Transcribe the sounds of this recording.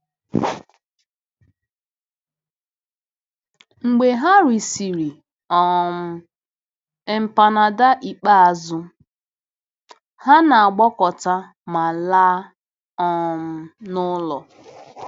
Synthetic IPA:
ŋ͡m̩˨ɡ͡be˨ɦa˦ɾi˨si˨ɾi˨ | ɔ˨m̩˦ | e˦m̩˨pa˨na˨da˦ʔi˨k͡pa˦a˨zʊ˦ | ha˦na˨a˨ɡ͡bɔ˦kɔ˨ta˦ | ma˨laː˦ | ɔ˨m̩˨nʊ˦lɔ˨

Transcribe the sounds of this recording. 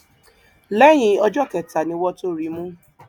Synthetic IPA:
lɛ˦j̃ĩ˨˧ɔ˧d͡ʒɔ˦˨kɛ˨ta˨nĩ˧˦wɔ˦to˦˨ɾi˨˦mũ˦

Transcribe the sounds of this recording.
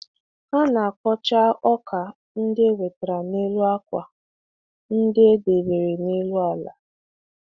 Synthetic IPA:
ha˦na˨a˨kɔ˦t͡ʃa˦ʔɔ˦kʰa˨ | n̩˦dɪ˦e˦we˨te˨ɾa˨ne˦lu˦a˦kʷa˨ | n̩˦dɪ˦e˦de˨be˨ɾe˨ne˦lu˦a˦˨la˨

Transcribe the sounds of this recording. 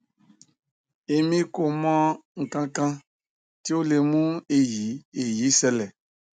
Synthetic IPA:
e˨mĩ˦ko˨mɔ̃˦ŋ̩˨kã˦kã˦ | ti˦o˦le˨mũ˦e˨ji˨˦e˨ji˨˦sɛ˦lɛ˨

